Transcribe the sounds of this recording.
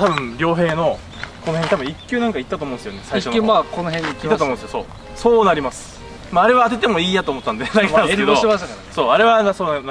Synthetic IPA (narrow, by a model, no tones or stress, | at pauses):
t̪abɯ̟̃ɴɾʲo̞ːɦe̞ːno̞ | ko̞noeɲit̪abɯ̟̃ikʲːjɨːnãŋkait̪ːat̪oːmõnesjonesaiɕoakonohẽɲiiːatomõsɨjoso̞̰ː | so̞ːnaɾʲimasɨ̥ | maːɾe̞βaːt̪̬e̞t̪e̞mo̞iːjat̪oːmot̪ːãnd̪ed̪ak̪ãnked̪oaɕt̪akaso̞ːaɾe̞βasoːn